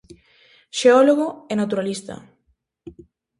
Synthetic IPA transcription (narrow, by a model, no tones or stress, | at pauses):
ʃeɔloɣoɛnat̪uɾalist̪ɐ̰